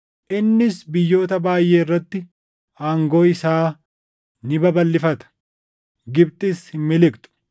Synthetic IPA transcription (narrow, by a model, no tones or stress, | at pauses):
ʔɪnːɪsbɪjːo̞ːt̪ɐbaːjːe̞ːɪrːɐt̪ːɪ | aːŋɡo̞ːɪsaː | nɪbɐbɐlːɪfɐt̪ɐ̥ | ɡɪbt̪ʼɪshɪmːɪlɪkt̪ʼʊ̥